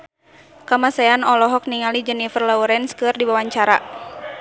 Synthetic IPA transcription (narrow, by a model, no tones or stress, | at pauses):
kamasɛanɔlɔɦɔk̚niŋalid͡ʒənifərlauɾɛnskɨrdiwawaɲt͡ʃaɾa